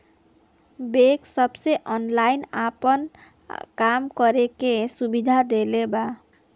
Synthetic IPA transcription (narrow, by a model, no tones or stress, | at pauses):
beksəbseʔɔnlainapən | kamkəɾekesubid̪ʱad̪eleba